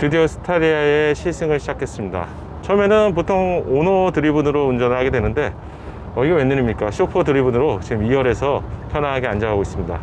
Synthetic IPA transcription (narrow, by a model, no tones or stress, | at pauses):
pidiosʰɯ̥tʰaɾiaeɕʰiɭs͈ʰɯŋɯɭɕʰid͡ʑakʰe̞s͈ɯmɲida̰ | t͡ɕʰʌmenɯnp̬otʰoŋonʌtɯɾibunɯɾound͡ʑʌnɯɭɦaɡe̞dwe̞nɯnde̞ | ʌiɡʌwenːɯɾimɲik͈aɕʰopʰɯtɯɾibunɯɾot͡ɕiɡɯmiwʌɾe̞sʰʌpʰjʌnaɦaɡeand͡ʑaɦaɡois͈ɯmɲida̰